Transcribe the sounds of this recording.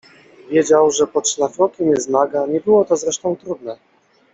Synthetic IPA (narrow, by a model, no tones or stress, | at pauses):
vʲjɛd͡ʑawʐɛpɔtʂlafɾɔkʲɛmjɛznaɡaɲɛbɘwɔt̪ɔzɾɛʂt̪ɔ̃w̃t̪ɾud̪nɛ